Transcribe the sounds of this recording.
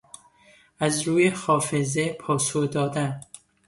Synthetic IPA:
æzɾuːjexɒːfezepʰɒːsohd̪ɒːd̪æn

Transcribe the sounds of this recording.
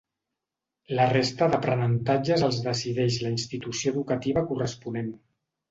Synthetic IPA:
lərest̪əðəpɾənənt̪ad͡ʒəzəlˠzðəsiðɛʃləinst̪it̪usioðukət̪iβ̞əkurəspunen

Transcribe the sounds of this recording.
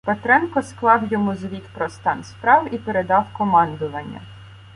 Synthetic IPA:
pet̪ɾɛnkɔsklˠɑwjɔmuzʋʲit̪pɾɔst̪ɑnspɾɑwipeɾed̪ɑwkɔmɑnd̪ʊʋɐnʲːɐ̰

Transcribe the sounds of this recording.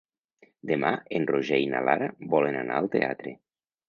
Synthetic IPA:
d̪emaenroʒɛjna̰laɾabɔlenanaalˠt̪ea̰t̪ɾe

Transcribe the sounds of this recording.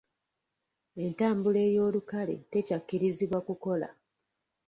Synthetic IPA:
e̞ntaːmbule̞ːjo̞ːlukale̞̰te̞cakːiɾiziβwakuko̞la̰

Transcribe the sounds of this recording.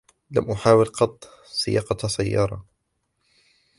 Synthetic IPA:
lamʔʊħaːwɪlqɑt̪ˤː | sˤɪjɑːqɑsajːɑ̰ːɾˤɑ

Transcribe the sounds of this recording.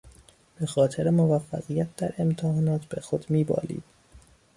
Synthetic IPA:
b̥e̞xɒːt̪ʰe̞ɾemovæfːæ̰ɣijæt̪̚ʰd̪æɾʔe̞mt̪ʰehɒːnɒːt̪ʰb̥exo̞d̪miːbɒ̰ːlḭːd̪̥

